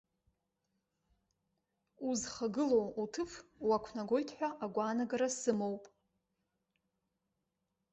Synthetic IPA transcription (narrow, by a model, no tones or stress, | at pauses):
uzχaɡɨlowutʰɨfwakʷʰnaɡʷo̞jtʰħʷᶣaʔaɡʷaːnaɡaɾasɨmo̞wpʼ